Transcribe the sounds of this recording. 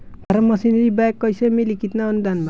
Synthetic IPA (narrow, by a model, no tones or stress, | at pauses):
b̥ʱʌɾʌmʌsinʌɾibajkːʌjsʌmelikit̪naʌnud̪ʱanma